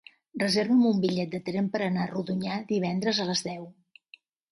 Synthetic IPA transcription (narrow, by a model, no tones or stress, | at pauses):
rəzeɾβəmumbiʎɛt̪̚d̪ət̪ɾempəɾənaruðuɲaðiβɛnd̪ɾəzələzðɛw